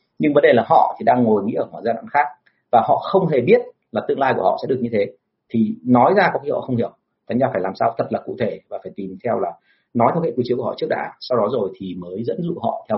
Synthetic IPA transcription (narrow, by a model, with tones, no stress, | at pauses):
ɲɨ˧ŋvə˨˦nɗe˨˩laː˨˩ɦɔ̰˧˨t̪ʰi˨˩ɗaː˧ŋːo˨˩jŋḭ˧˥ʔəː˧˩mwaː˧˩zaː˧na̰ː˧˥nxaː˦˥k̚ | vaː˨˩ɦɔ̰˧˨xə˧wŋ͡mɦe˨˩ɓi˦˥ət̚ | laː˨˩t̪ɨ̰˧əŋlaː˧jku˧˩hɔ̰˧˨sɛ̰˧˥ɗɨ˨˩ək̚ɲɨ˧t̪ʰe˨˦ | t̪ʰi˨˩nɔ˨˦jzaː˧kɔ˨˦khɔ̰˧˨xə˧wŋ͡mhi˧˩əw | k̪aː˨˦ŋ̟zaː˧faː˧˩jlaː˨˩msaː˧wt̪ʰə˨˩t̚laː˨˩kṵ˧˨t̪ʰe˧˩vaː˨˩faː˧˩jt̪i˨˩mt̪ʰɛ˧wlaː˨˩ | nɔ˨˦jt̪ʰə˧wke˧˥ki˨˦t͡ɕi˨˦ku˧˩ɔ̰˧˨t͡ɕɨ˦˥k̚ɗa̰ː˧˦sa˧wɗɔ˨˦zo˨˩jt̪ʰi˨˩məː˨˦jzə̰˧˥nzṵ˧˨ɦɔ̰˧˨t̪ʰɛ˧